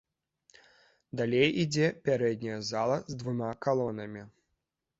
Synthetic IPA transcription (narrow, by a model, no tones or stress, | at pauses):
d̪alʲejid͡zʲɛpʲaɾɛd̪̚ʲnʲɐjɐzalˠɐzd̪vumakalˠɔnɐmʲi